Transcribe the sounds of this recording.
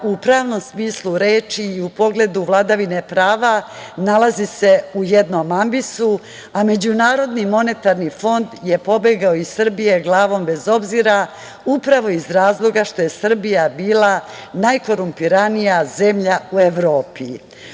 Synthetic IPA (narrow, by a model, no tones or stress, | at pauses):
upɾaːʋno̞msmiːslˠuɾe̞ːt͡ʃiːupo̞ɡle̞d̪uʋlˠad̪aʋine̞pɾaːʋanalˠazise̞ujed̪nomambisu | ame̞d͡ʑunaːɾo̞d̪nimo̞ne̞t̪aɾnifo̞nd̪je̞po̞beɡaoisr̩bije̞ɡlˠaːʋo̞mbe̞zo̞bziɾa | upɾaʋo̞izɾaːzlˠo̞ɡaʃt̪o̞je̞sr̩bijabiːlˠanajko̞ɾumpiɾanijaze̞mʎaue̞ʋɾo̞ːpi